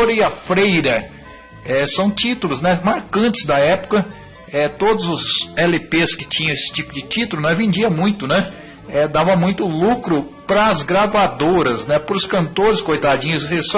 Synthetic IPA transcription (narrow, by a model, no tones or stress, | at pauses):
oɾiɐfɾejɾɐ | ɛsɐ̃w̃t͡ʃit̪ulʊznɛmaɾkɐ̃t͡ʃɪ̥zd̪ɐɛpʊ̥kɐ | ɛt̪od̪ʊzʊzɛlɪpeskɪt͡ʃĩɲɐ̃esɪ̥t͡ʃipʊd͡ʒɪt͡ʃit̪ulʊñɛvẽnd͡ʒiɐmũj̃t̪ʊnɛ | ɛd̪avɐ̃mũj̃t̪ʊlukɾʊpɾɐzɡɾavad̪oɾɐznɛpɾʊskɐ̃nt̪oɾɪskojt̪ad͡ʒĩɲʊshes